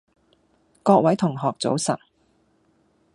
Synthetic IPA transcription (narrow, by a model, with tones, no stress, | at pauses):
kɔː˧k̚wɐ˨˥jt̪ʰʊ˨˩ŋɦɔː˨k̚t͡so̰˨˥wsɐ̰˨˩t̚